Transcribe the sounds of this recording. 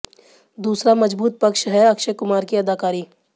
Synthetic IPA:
d̪uːsɾamɐd͡ʒbuːt̪̚pɐkʃɦɛɐkʃəkʊmaːɾkiɐd̪aːkaːɾiː

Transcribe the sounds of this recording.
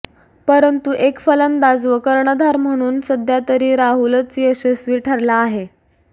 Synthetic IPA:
pəɾənt̪uʔekfələnd̪ad͡zʋəkəɾɳəd̪ʱaɾm̤əɽ̃uːnsəd̪ʱjat̪əɾiːɾaɦulət͡siːəɕesʋiʈʰəɾlaːɦe

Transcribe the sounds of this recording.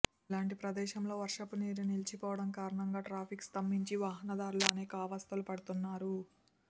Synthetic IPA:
laːɳʈipɾɐd̪ɛːʃɐmlo̞ːʋɐɾʂɐpuniːɾinilit͡ʃipɔːʋɐɽɐmkaːɾɐɳɐŋɡaːʈɾaːpʰikst̪ɐmːiɲt͡ʃiʋaːɦɐnɐd̪aːɾuluɐnɛːkɐɐːʋaːst̪ɐlupɐɽut̪unːaːɾu

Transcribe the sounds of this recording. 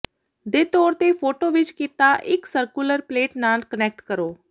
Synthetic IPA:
d̪eːt̪ɔːɾt̪eːpʰoːʈoːʋɪt͡ʃkiːt̪aːʔɪksəɾkuːləɾpleːʈnaːlkənɛːk̚ʈkəɾoː

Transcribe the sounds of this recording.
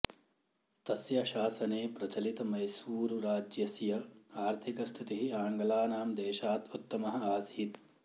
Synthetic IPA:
t̪ɐsjɐʃaːsɐneːpɾɐt͡ʃɐlit̪ɐmɐjsuːɾuɾaːd͡ʒjɐsjɐaːɾt̪ʰikɐst̪ʰit̪iɦiaːŋɡɐlaːnaːmd̪eːʃaːt̪ut̪ːɐmɐɦɐ̆aːsiiːt̪

